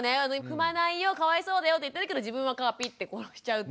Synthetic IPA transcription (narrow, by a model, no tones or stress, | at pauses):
ne̞anoɸɯ̟manaijo̞kaβaiso̞ːd̪ajo̞t̪oit̪ːeɾɯke̞d̪o̞d͡ʑibɯ̟̃ɰ̃βakaːpʲit̪ːe̞koɾoɕi̥t͡ɕaɯ̟t̪